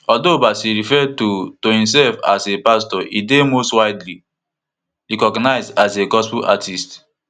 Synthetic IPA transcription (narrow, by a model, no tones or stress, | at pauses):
ɔldobasiɹifɛtotohĩms̬ɛlfa̰sepastɔidemostwaɪdli | ɹikɔɡnaɪzdaseɡɔspuʔa̰tʰist